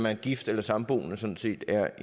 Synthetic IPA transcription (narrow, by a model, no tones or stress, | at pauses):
mænɡ̥ifd̥elɐsɑ̈mb̥o̝̰ːnəsɒ̽n̩se̝̰ːd̥æɐ